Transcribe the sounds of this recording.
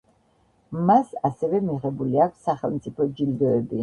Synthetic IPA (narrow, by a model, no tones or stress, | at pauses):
masasɛvɛmiʁɛbuliakʰsːaχɛlˠmt̪sʼipʰɔd͡ʒild̪ɔɛbi